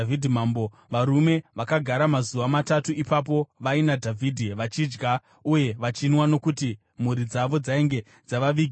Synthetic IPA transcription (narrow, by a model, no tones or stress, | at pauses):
vidʱimambo | ʋaɾume̞ʋakaɡʱaɾamazuʋamatatuipap̬o̞ʋainadʱavʱidʱiʋat͡ʃid͡ʒɡa | uje̞ʋat͡ʃinwano̞kuti | m̤uɾid͡zaʋo̞d͡zaeŋɡe̞ | d͡zaʋaʋiki